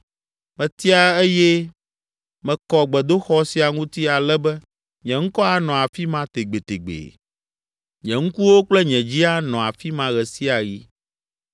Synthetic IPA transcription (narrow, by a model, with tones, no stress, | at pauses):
mɛ̃˨t̪i˦a˦e˦jɛ˦ | mɛ̃˨kɔ˨ɡ͡bɛ˨d̪o˦xɔ˦si˨a˨ŋũ˦t̪i˦a˨lɛ˦bɛ˦ | ɲɛ̃˨ŋ̩˦kɔ˦a˦nɔ̃˨a˨fi˦mã˦t̪e˨ɡ͡be˨t̪e˨ɡ͡bḛ˨ | ɲɛ̃˨ŋ̩˦ku˦wo˦k͡plɛ˦ɲɛ̃˨d͡ʑi˦a˦nɔ̃˨a˨fi˦mã˨ɣɛ˨si˦a˨ɣi˦